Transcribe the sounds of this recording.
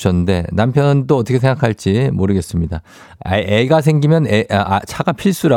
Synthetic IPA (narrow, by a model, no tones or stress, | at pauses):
ɕʰʌnɯnde̞̰nampʰjʌnɯnt͈oʌt͈ʌkʰeeŋɡakʰaɭt͡ɕ͈imoɾɯɡe̞s͈ɯmɲida | eɡas̬ʰeŋɡimjʌneʔt͡ɕʰaɡapʰiɭs͈uɾa